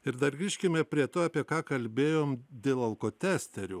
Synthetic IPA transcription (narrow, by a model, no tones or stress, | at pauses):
ɪɾd̪ɐrɡɾʲiːʃʲkʲɪmʲɛpʲɾʲiɛt̪oːɑpʲiɛkɑːkɐlʲbʲeːjoːmd̪ʲeːlˠɐlˠkoːt̪ʲæːsʲt̪ʲɛɾʲu